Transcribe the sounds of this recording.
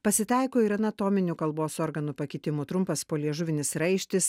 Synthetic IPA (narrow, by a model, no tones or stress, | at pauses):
pɐsʲɪt̪ɐˑɪkoːiɾɐnɐt̪omʲɪnʲukɐlˠboːsɔɾɡɐnupɐkʲɪt̪ʲɪmuːt̪ɾʊmpɐspoːlʲiɛʒʊʋʲɪnʲɪsɾɐɪʃʲt̪ʲɪs